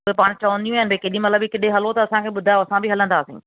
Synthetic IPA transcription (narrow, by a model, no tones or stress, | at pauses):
ʊɦepaːɽ̃t͡ɕɐʋə̃nd̪ijũɪnɪbekɐɗĩmɐt̪ləbɪkɪɗeɦɐlot̪ɐɐsãkʰeːɓʊd̪ʱaːjoɐsãbɪɦɐlə̃nd̪aːsḭ̃